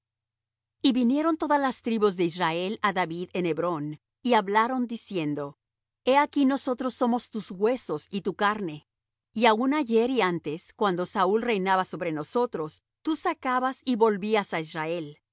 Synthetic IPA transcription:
iβinje̞ɾo̞nt̪o̞ðazlast̪ɾiβuzðe̞israe̞laðaβiðe̞ne̞βɾo̞n | iaβlaɾo̞nd̪isje̞nd̪o̞ | e̞akino̞so̞t̪ɾo̞sːo̞mo̞st̪uzɣwe̞so̞sit̪ukaɾne̞ | iaunaʝe̞ɾiant̪e̞skwand̪o̞saulre̞jnaβaso̞βɾe̞no̞so̞t̪ɾo̞s | t̪usakaβasiβo̞lβiasaisrae̞l

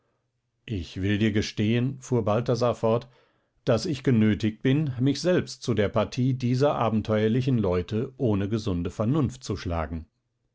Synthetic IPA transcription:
ʔɪçv̥ɪldiːɐɡəʃteːənfuːɐbaltazafɔɐt | d̥asɪçɡ̥ənøːtɪçt̚b̥ɪnmɪçz̥ɛlpstt͡sudeːɐpaɐtʰiːdiːzɐʔaːbm̩tʰɔʏɐlɪç̬n̩lɔʏtʰəʔoːnəɡəzʊndəfɛɐnʊnft̚t͡suʃla̰ːɡŋ̩

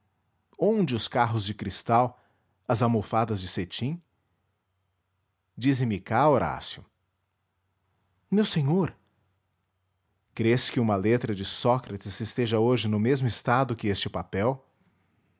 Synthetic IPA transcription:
õd͡ʒɪʊskaɦʊzd͡ʒɪkɾist̪aw | ɐzamofad̪ɐzd͡ʒɪset͡ʃĩ | d͡ʒizɪ̃mɪkaoɾa̰sjʊ | mewsẽɲoɾ | kɾeskɪũmɐlet̪ɾɐd͡ʒɪsɔkɾɐt͡ʃɪsɪst̪eʒɐoʒɪnʊmezmʊɪst̪ad̪ʊkɪest͡ʃɪpapɛw

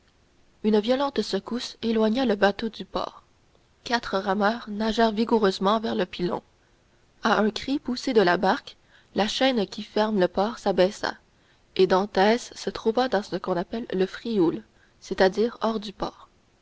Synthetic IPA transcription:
ynvjɔlɑ̃t̪səkuselwaɲaləbat̪od̪ypɔ̰ːʁ | kat̪χəʁamœːʁnaʒɛʁviɡuʁøzmɑ̃vɛʁləpilɔ̰̃ | aʔɛ̃kχipused̪əlabaʁk | laʃɛnkʲʰifɛʁmləpɔːʁsabɛsa̰ | ed̪ɑ̃t̪ɛsːət̪χuvad̪ɑ̃səkɔ̃napɛlːəfʁiol | set̪ad̪iːʁɔʁd̪ypɔ̰ːʁ

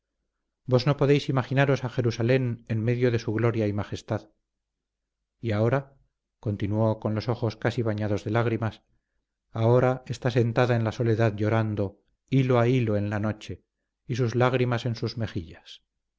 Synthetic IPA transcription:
bo̞zno̞po̞ðejsimaχinaɾo̞saxe̞ɾusale̞nenme̞ðjoðe̞suɣlo̞ɾjaimaχe̞st̪að | iao̞ɾa | ko̞nt̪inuoko̞nlo̞so̞χo̞skasiβ̞aɲaðo̞zðe̞laɣ̞ɾimas | ao̞ɾae̞st̪ase̞nt̪aðaenlaso̞le̞ðaðʎo̞ɾand̪o̞ | iloailoe̞nlano̞t͡ʃe̞ | isuzlaɣɾimase̞nsuzme̞xiʎas

